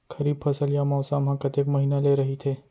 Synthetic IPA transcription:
kʰəɾib̚fʰəsəljamɔːsamɦãkət̪ekməɦinaleɾəɦit̪ʰeː

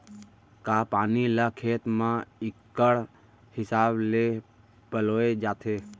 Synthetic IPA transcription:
kaːpaːnilakʰeːt̪mãɪkːəɽ | hɪsaːble | pəloːed͡ʒaːt̪ʰeː

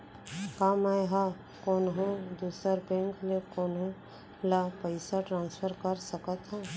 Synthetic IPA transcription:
kaːmajɦa | koːnɦõd̪uːsəɾbẽŋklekoːnõ | lapəɪsaʈɾãːnspʰəɾkəɾsəkət̪ɦã

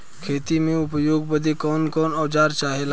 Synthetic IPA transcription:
kʰeːt̪imẽʊpjoːɡ̚bəd̪ʱekɔːnkɔːnɔːd͡ʒaːɾt͡ʃaːɦeːlː

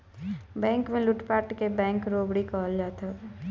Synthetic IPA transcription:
bɛ̃ːŋkmẽlʊʈpaːʈkebɛ̃ːŋkɾoːbɽikɔːld͡ʒaːt̪a

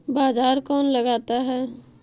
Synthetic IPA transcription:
baːzaːɾkɔːnləɡaːt̪aɦɛː

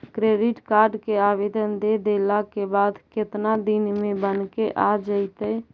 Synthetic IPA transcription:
kɾeɖiʈkaɾɖkeabed̪ənd̪ed̪elakebad̪ket̪nad̪inmebənkeʔad͡ʒəɪt̪əj

